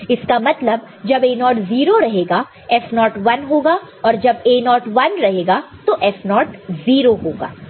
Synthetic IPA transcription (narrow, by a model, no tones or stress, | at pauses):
ɪskamɐt̪ləb | d͡ʒɐbeːnɔːʈziːɾoɾɐɦeːɡa | ɛfnɔːʈʋɐnɦoːɡaː | ɔːɾd͡ʒɐbeːnɔːʈʋɐnɾɐɦeːɡat̪oʔɛfnɔːʈziːɾoɦoːɡa̰ː